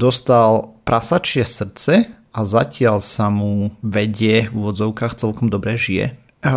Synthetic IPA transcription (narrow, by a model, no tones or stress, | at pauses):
d̪ɔst̪alpɾʔasat͡ʃɪɛsr̩t͡sɛ | azacɪalsamuʋɛɟɪɛvuʋɔd͡zɔʊkaːxt͡sɛlkɔmd̪ɔbɾɛʒiɛ̰